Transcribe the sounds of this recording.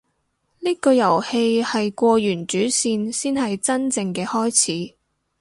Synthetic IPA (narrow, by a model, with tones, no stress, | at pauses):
liː˥kɔː˧jɐ˨˩whe˧jhɐ˨jkʷɔː˧jyː˨˩nt͡ʃyː˨˥siː˧nsiː˥nhɐ˨jt͡sɐ˥nt͡sɪ˧ŋkɛː˧hɔː˥jt͡sʰiː˨˥